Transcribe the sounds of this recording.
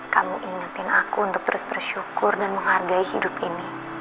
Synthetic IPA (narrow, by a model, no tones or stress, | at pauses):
kamuʔiŋat̪ɪnakuːnt̪ʊk̚t̪əɾʊsbərʃukʊrdanməŋɦharɡaihidʊp̚ini